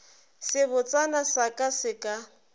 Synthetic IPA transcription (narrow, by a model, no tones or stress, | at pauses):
sɪbʊt͡sʼanasakʼasɪkʼa